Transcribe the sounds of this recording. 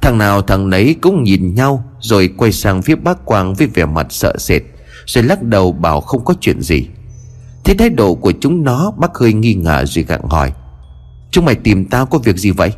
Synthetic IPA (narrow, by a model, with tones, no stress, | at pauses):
t̪ʰa˨˩ŋnaː˨˩wt̪ʰa˨˩ŋnə˨˦jkʊ̰˧˥ŋ͡mɲi˨˩nɲa˧wzo˨˩jkwa˧jsaː˧ŋfi˦˥əɓaː˦˥kkwaː˧ŋvəː˨˦jvɛ˨˩ma˨˩t̚sə̰ː˧˨se˨˩t̚ | z̥o˨˩jla˦˥t̚ɗə˨˩wɓaː˧˩wxə˧wŋ͡mkɔ˨˦t͡ɕwḭ˧˨ənzḭ˨˩ | t̪ʰe˨˦t̪ʰaː˨˦jɗo̰˧˨ku˧˩ət͡ɕʊ˨˦ŋ͡mnɔ˨˦ɓaː˦˥k̚həː˧jŋi˧ŋaː˧˩zo˨˩jɣa̰ː˧˨ŋhɔ̰˧˩j | t͡ɕʊ˨˦ŋ͡mma˧˩jt̪i˨˩mt̪aː˧wkɔ˨˦vi˨˩ək̚zi˨˩və̰˧˨j